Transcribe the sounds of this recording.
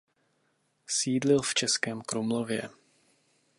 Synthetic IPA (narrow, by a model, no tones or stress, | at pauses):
siːdlɪlft͡ʃɛskɛːmkɾumlovjɛ̰